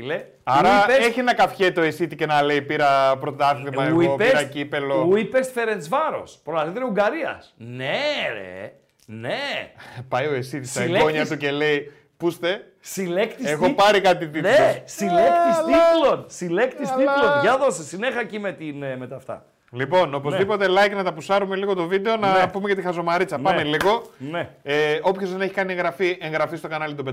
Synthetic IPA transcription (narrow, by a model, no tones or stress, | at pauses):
ile | ɐɾɐieseçinɐkɐfçet̪o̞esit̪icenɐle̞ipiɾɐpɾo̞t̪ɐθlimɐeuiopesɾɐcipe̞louipesfe̞ɾent͡svɐɾo̞̰spɾolɐt̪it̪eɾiuɡɐɾiɐ̰sneḛ | nepɐjo̞esit̪isɐloɲɐt̪ucele̞i | pust̪e | silekt̪iexopɐɾikɐt̪̬it̪ieossilet̪isslilonsilekt̪isilonʝɐðosesinexɐcimet̪inmet̪ɐft̪ɐ̰ | lipo̞no̞po̞zðipo̞t̪e̞lɐjknɐt̪ɐpusɐɾume̞liɣot̪o̞vid̪e̞o̞nɐpume̞cɐt̪ixɐzo̞mɐɾit͡sɐpɐmeliɣo̞neeo̞pçozðe̞ne̞çi̥kɐnie̞ŋɣɾɐfiʔe̞ŋɣɾɐfist̪o̞kɐnɐlit̪ube